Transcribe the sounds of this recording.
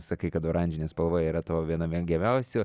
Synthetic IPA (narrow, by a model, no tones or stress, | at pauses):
sɐkɐɪkɐt̪oːɾɐnʲd͡ʒʲɪnʲeːspɐlˠʋoːjiːɾɐt̪oːʋʲiɛnɐmʲiɡʲɛmʲɛʊsʲʊː